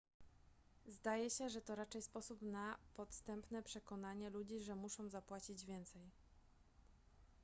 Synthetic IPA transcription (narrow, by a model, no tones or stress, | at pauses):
zd̪ajɛɕɛʐɛt̪ɔɾat͡ʂɛjspɔsupnapɔt̪st̪ɛmpnɛpʂɛkɔnaɲɛlud͡ʑiʐɛmuʂɔ̃w̃zapwat͡ɕid͡ʑvʲjɛnt̪sɛj